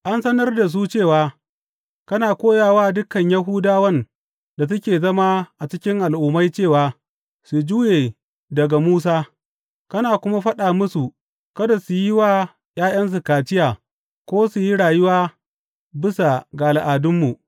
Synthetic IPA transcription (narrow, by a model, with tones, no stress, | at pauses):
ʔa˦nsɐ˦nɐ˦rda˨s̬u˦t͡ʃeː˦˨waː˨ | kɐ˦naː˨kʷoː˦jaː˨waː˦dʊ˦kɐ˨ɲjɐ˦ɦʊː˦daː˦wɐ˦n | da˨s̬ʊ˦kʲeː˨zɐ˦maː˦ʔa˨t͡ʃɪ˦kʲɪ˦ŋʔa˨lʔʊ˨˦ma˦jt͡ʃeː˦˨waː˨ | su˨d͡ʒuː˦jeː˨ | dɐ˨ɡa˨muː˦s̬aː˦ | kɐ˦naː˨kʷʊ˦ma˦ɸɐ˦ɗaː˨mʊ˦su˨ | kɐ˦da˨su˨ji˦waː˦ | j̰aː˦j̰ɐ˦ns̬u˨kaː˨t͡ʃɪ˦jaː˨ | kʷoː˦su˨ji˦ɽaː˨jʊ˦waː˦ | bɪ˦sa˨ɡa˨lʔa˨dʊ˦mːu˨ʔ